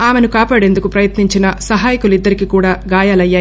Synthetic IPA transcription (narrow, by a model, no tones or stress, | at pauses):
aːme̞nukaːpaːɽe̞nd̪ukupɾɐjɐt̪niɲt͡ʃinɐsɐɦaːjikulid̪ːɐɾikikuːɽaːɡaːjaːlɐjːaː